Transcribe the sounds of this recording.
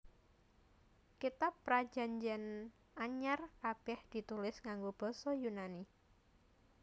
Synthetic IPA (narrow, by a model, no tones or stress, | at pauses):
kit̪apːɾḁd͡ʒa̤ɲd͡ʒɛn | aɲarkab̥ɛhd̪̥i̤t̪ulɪsŋaŋɡob̥ɔ̤sɔjunani